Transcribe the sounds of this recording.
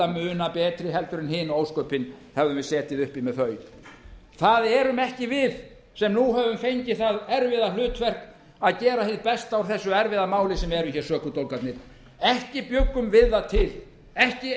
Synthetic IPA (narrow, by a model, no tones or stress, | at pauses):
amʏːnapɛːt̪ɾɪɦɛlt̪ʏɾɪnhɪːnoːwskœɥpɪnhɛvðʏmvɪðsɛːt̪ɪðʏhpimɛðθœːɥ | θaðɛɾʏmɛhcɪvɪð | sɛmnuɦɛvʏmfejɲcɪθaðɛɾvɪðalʏːt̪fɛr̥k | aðcɛːɾaθɪðpɛst̪awɾ̥θɛsːʏɛɾvɪðamaːwlɪsɛmɛɾʏmçɛɾsœːkʏt̪owlkat̪nɪɾ̥ | ɛhcɪpjʏkːʏmvɪðːat̪ʰɪl | ɛhcɪ